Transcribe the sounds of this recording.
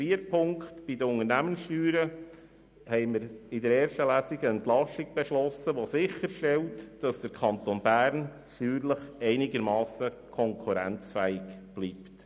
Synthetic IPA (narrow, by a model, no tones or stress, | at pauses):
iːəɾpʰʊŋktb̥idəʊŋəɾnæmənsʃtyːɾə | hɛɪməɾɪdəɾɛːɾʃtəlæːsiɡəɛnt̪lɑsiɡ̥̚b̥eʃlɔsəʋosɪχəɾʃtɛltd̥ɑsd̥əɾkʰɑnt̪onbæːɾn | ʃyːɾləχɛɪnɪɡəɾmɑːsəkʰɔŋkʰuɾæ̰nt͡sfæɪkb̥liːpt